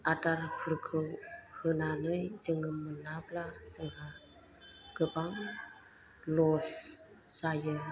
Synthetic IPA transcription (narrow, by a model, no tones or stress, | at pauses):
ʔatarpʰərkʰəwhənanəjzəŋəmənːaplasəŋha | kəpaŋ | losː | ajə